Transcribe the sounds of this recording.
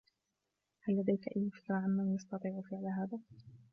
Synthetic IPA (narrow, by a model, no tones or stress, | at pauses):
halːad̪ajkaʔajːʊfɪ̥kɾaʕanmanjɑst̪ɑt̪ˤiːʕʊfɪʕlaɦaːðaː